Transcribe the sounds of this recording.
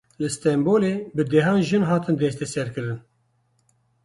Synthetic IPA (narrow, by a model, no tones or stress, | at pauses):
lɨst̪ɛmboːleːbɨd̪ɛɦɑːnʒɨnɦɑːt̪ɨnd̪ɛst̪ɛsɛɾkɨɾɨn